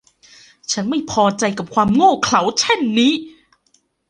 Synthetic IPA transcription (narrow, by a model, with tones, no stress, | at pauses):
t͡ɕʰa˦˥nma˥˩jpʰɔː˧t͡ɕa˧jka˨˩p̚kʰwaː˧mŋoː˥˩kʰla˩˦wt͡ɕʰɛ˥˩nːiː˦˥